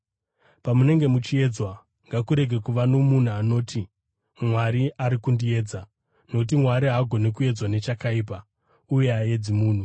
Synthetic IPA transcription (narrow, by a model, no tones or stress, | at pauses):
pamune̞ŋɡe̞mut͡ʃie̞d͡zwa | ŋɡakuɾe̞ɡʱe̞kuʋano̞mun̤uano̞ːtʰi | mwaɾiʔaɾikundie̞ːd͡za | no̞kut̬imwaɾiɦaɡʱo̞nekue̞d͡zwane̞t͡ʃakaiːp̬a | uje̞aje̞d͡zimuːn̤u